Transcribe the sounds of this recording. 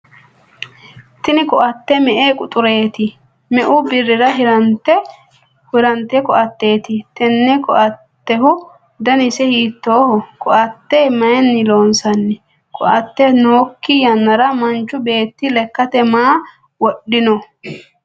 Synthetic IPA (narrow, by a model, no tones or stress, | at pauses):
t̪ɪnɪkɔʔɐt̪ːɛmɛʔeːkʼʊt̪ʼʊɾe̞ːt̪ɪ | mɛʔʊbɪrːɪɾɐɦɪɾɐnt̪ːɛ | hʊɾɐnt̪ːɛkɔʔɐt̪ːe̞ːt̪ɪt̪ɛnːɛkɔʔɐt̪ːɛhʊ | d̪ɐnɪsɛhiːt̪ːo̞ːhɔkʰɔʔɐt̪ːɛmɐjɛnːɪlo̞ːnsɐnːɛ | kʰɔʔɐt̪ːɛnoːkːɪjɐnːɐɾɐmɐnt͡ʃːʊbe̞ːt̪ːɪlɛkːɐt̪ɛmaː | wɔɗːɪnɔ